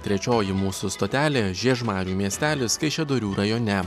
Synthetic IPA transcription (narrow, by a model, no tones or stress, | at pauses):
t̪ʲɾʲɛt͡ʃʲoːjɪmuːsʊst̪oːt̪ʲæːlʲeːʒʲiɛʃmɑːɾʲuːmʲiɛsʲt̪ʲæːlʲɪskɐɪʃʲɛd̪oɾʲuːɾɐjoːnʲɛ